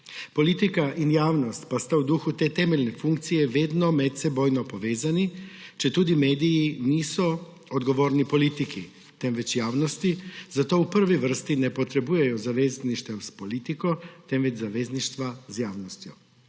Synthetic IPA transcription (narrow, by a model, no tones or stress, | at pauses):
pɔliːt̪ikaʔinjaːwnɔst̪past̪awd̪uːxut̪eːt̪ɛːmɛlʲnɛfuŋk̚t̪sijɛʋeːd̪nɔmɛt̪sɛboːjnɔpɔʋeːzanit͡ʃɛt̪uːd̪imeːd̪ijiniːsɔ | ɔd̪ɡɔʋoːɾnipɔliːt̪ikḭ | t̪ɛmʋɛt͡ʃjaːwnɔst̪izat̪oːwpəɾʋiʋəɾst̪inɛpɔt̪ɾɛbuːjɛjɔzaʋeːzniʃt̪ɛwspɔliːt̪ikɔt̪ɛmʋɛd͡ʒzaʋeːzniʃt̪ʋazjaːwnɔst̪jɔ̰